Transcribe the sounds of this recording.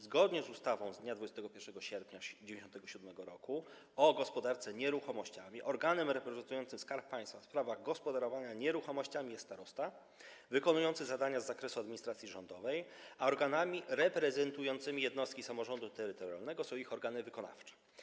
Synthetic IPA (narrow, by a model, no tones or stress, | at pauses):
zɡɔd̪ɲɛzust̪avɔ̃w̃zd̪ɲad̪vud͡ʑɛst̪ɛɡɔpʲjɛɾʂɛɡɔɕɛɾpʲɲad͡ʑevʲẽɲɪɕɔnt̪ɛɡɔɕud̪mɛɡɔɾɔ̰ku | ɔɡɔspɔd̪aɾt̪sɛɲɛɾuxɔmɔɕt͡ɕamʲiʔɔɾɡanɛmɾɛpɾɛzɛnt̪ujɔnt̪sɘmskaɾp̚pːaj̃st̪fafspɾavaɣɡɔspɔd̪aɾɔvaɲaɲɛɾuxɔmɔɕt͡ɕamʲijɛst̪aɾɔst̪a | vɘkɔnujɔnt̪sɘzad̪aɲazːakɾɛsuad̪mʲiɲist̪ɾat̪sʲiʐɔnd̪ɔvɛjaɔɾɡanamʲiɾɛpɾɛzɛnt̪ujɔnt̪sɘmʲijɛd̪nɔst̪kʲisamɔʐɔnd̪ut̪ɛɾɘt̪ɔɾja̰lnɛɡɔsɔ̃w̃ixɔɾɡanɘvɘkɔna̰ft͡ʂɛ̥